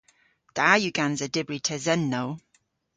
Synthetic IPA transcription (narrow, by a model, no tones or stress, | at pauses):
d̪̥aːjuɡanzədɪbɹitʰɛzɛnːow